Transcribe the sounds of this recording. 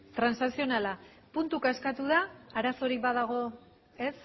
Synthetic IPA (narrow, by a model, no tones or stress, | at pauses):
t̪ɾansnasio̞nala | punt̪ukaskat̪uðaːɾaso̞ɾik̚baðaɣ̞o̞ | es